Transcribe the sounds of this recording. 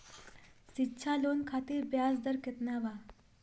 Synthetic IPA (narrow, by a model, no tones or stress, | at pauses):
sitːɕʰalonkʰat̪iːɾbjasd̪əɾket̪naʋa